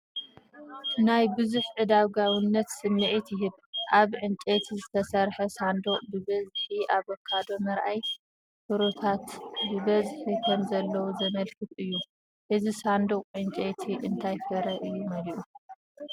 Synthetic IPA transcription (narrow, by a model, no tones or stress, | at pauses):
najbɨzuħʕɨd̪aβɡawɨnːɐt̪sɨnːɨʔit̪jɪɦɨβʔaβʕɨnt͡ʃʼet̪ʰizɨt̪ʰɐsɐɾħɐsand̪oqʼbɨbɐzħiʔaβokʰːad̪o̞mɐɾʔaj | fɨɾot̪ʰat̪bɨbɐzħikʰɐmzɐlːɐwuzɐmɐlkʰɨfɨjːu | ʔɨzisand̪oqʼʕɨnt͡ʃʼet̪ʰiʔɨnt̪ʰajfɐɾɐʔɨjːumɐliʔu